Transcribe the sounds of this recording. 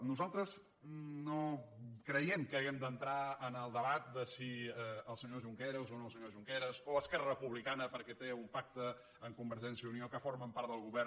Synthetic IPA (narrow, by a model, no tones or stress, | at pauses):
nuzalˠt̪ɾəz | nokɾəjɛmkəːɣɛmd̪ənt̪ɾaənəlˠd̪əβat̪̚d̪əsiəlˠsəɲoʒuŋkɛɾozonoəlˠsəɲoʒuŋkɛɾosoəskɛrərəpuβlikanəpəɾkɛt̪eumpak̚t̪ə | əŋkumbəɾʒɛnsiəuniokəforməmpaɾt̪d̪əlˠɣuβɛr